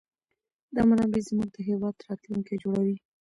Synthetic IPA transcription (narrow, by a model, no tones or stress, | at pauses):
d̪ɑmanɑbizmuɡ̚d̪əɦewɑd̪ɾɑt̪luŋked͡ʒoɽawi